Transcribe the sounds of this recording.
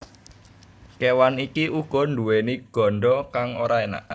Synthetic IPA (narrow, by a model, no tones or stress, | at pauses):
kewanikiʔuɡ̥ɔ̤ndṳweniɡ̥ɔ̤ɳɖɔkaŋoɾaena̰ʔ